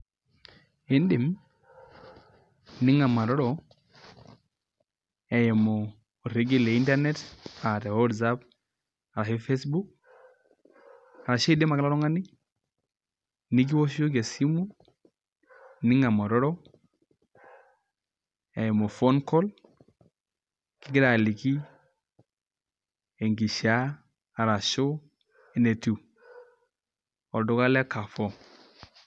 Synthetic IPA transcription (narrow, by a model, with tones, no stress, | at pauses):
e˦ndi˨m | ni˦ŋa˨ma˨ɾɔ˦ɾɔ˨ | e˨je˨mo˨ | ɾi˦ɡi˦le˨i˦nta˦ɾne˦ta˨ta˨wɔ˦dsa˦p̚ | a˨la˨hi˦fe˦sbu˦k̚ | a˨ɾa˨ʃe˦de˦ma˨ka˦la˦ɾɔ˦ŋa˦ni˦ | ni˦ɡ̬i˦wo˦so˦k̬e˨si˦mu˦ | ni˦ŋa˨mo˨ɾɔ˦ɾo˦ | e˨mo˨fo˦nko˦l | ki˦ɡi˦ɾa˨li˨ki˦ | e˨ŋɡi˨ʃa˦ | a˨ɾa˨ʃo˦ | e˨ne˨tu˨ | o˨ldo˨˦ɡa˦le˦ka˨fo˦